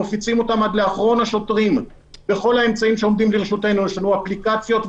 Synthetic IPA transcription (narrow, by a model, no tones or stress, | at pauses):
efit͡simo̞tamad̪le̞aχʁo̞nhaʃo̞tʁim | be̞χo̞lhae̞mt͡saimʃeomd̪imlieʃute̞nueʃanuaplikat͡sjo̞t̪v